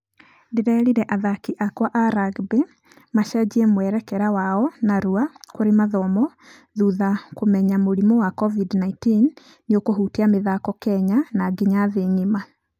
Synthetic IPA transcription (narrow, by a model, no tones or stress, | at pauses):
deɾɛɾiɾɛʔaðakiʔakwaʔaɾaɡbe | maʃad͡ʑiɛmwɛɾɛkɛɾawaɔnaɾuakoɾemaðɔmɔ | ðuðakomɛɲamoɾimɔwakɔvidnaitinː | eokoɦuteameðakɔkɛɲanaɡiɲaðeɲima